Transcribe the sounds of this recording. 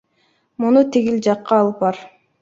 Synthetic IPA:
munut̪ʰiɡild͡ʒɑqːɑːlˠɯp̚ɑɾ

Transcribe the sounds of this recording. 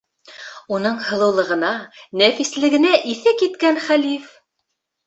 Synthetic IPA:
unɤɴhɤ̆lˠɤ̆wlˠɤ̆ʁɤ̆nɑnæfislɘ̆ɡɘ̆næʔiθɘkit̪kænχælif

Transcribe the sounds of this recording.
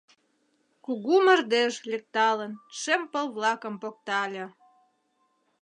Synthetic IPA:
kuɣumə̆rd̪eʃlʲek̚t̪ɑlənʃempəlβlɑkəmpok̚t̪ɑlʲĕ

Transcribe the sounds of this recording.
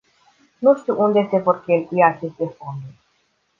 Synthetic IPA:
nuʃt̪iʔund̪esevoɾkʲelʲiat͡ʃest̪efond̪u

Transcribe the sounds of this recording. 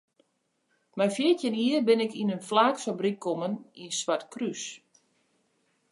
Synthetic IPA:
mɛjfjɪətjəniːərbɪnɪkinənflaːksɔbrikʰːoməninsʋatkrys

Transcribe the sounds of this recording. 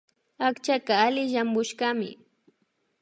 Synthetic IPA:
akt͡ʃakaalɪʒambʊʃkamɪ̰

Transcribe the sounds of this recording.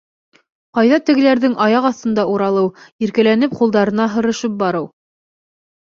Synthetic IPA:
qɑjðɑt̪ɘ̆ɡɘ̆læɾðɘŋʔɑjɑqɑθt̪ɤ̆nd̪ɑuɾɑlˠɤwiɾkælænɘp̚qulˠd̪ɑɾɤ̆nɑɦɤ̆ɾɤ̆ʃɤp̚bɑɾɤw

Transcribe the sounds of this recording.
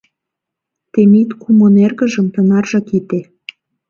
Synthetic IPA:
t̪emit̪kumonerɣə̆ʒə̆mt̪ɤ̆nɑrʒɑkit̪e

